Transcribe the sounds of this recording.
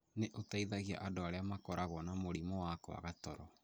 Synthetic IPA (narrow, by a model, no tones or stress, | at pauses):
neʔotaiðaɣiaʔadoaɾeamakɔɾaɣɔnamoɾimɔwakɔa̰ɣatɔɾɔ